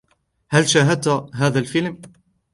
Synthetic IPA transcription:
halʃaːɦad̪̚t̪ɦaːðalfɪlm

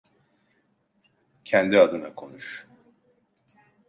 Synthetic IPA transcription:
cʰɛnd̪iad̪ɯnakʰo̞nuʃ

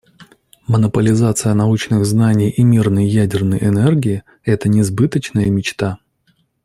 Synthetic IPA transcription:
mənəpəlʲɪzat̪sɨjənɐut͡ɕnɨɣznanʲɪjimʲirnəjjædʲɪrnəjʔɪnɛrɡʲɪɪ | ɛt̪ənʲɪzbɨt̪ət͡ɕnəjəmʲɪt͡ɕt̪a

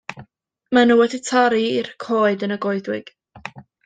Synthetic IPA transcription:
manuwɛditʰaɾiirkʰoːɨdənəɡɔɨðwɪɡ̥

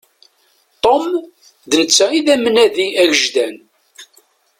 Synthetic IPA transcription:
t̪ˤom | ðnət͡sːæiðæmnæðiæʝəʒðæn

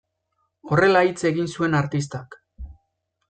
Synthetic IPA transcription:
o̞re̞lait͡se̞ɣinsue̞naɾt̪ist̪ak

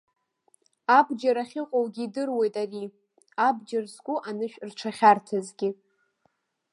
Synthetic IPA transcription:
abd͡ʒaɾaχʲɪqʼowɡʲidɨrwejtʼari | abd͡ʒarskʷʼʊʔanɨʃᶣrʈ͡ʂʰaχʲartʰazɡʲɪ

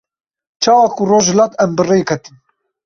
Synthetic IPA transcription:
t͡ʃʰɑːwɑːkuroːʒhɨlɑːt̪ɛmbɨrejkʰɛt̪ɨn

